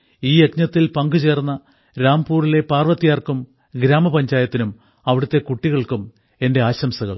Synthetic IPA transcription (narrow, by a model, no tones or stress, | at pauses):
iːjekɲɐt̪ːilpɐŋɡut͡ɕe̞ːrnːɐ | ɾaːmpuːrile̞paːrʋɐt̪ːijaːrkum | ɡɾaːmɐpɐɲd͡ʑaːjɐt̪ːinum | ɐʋiɽut̪ːe̞kuʈːiɣɐɭkum | e̞nde̞aːɕɐmsɐɣɐ̰ɭ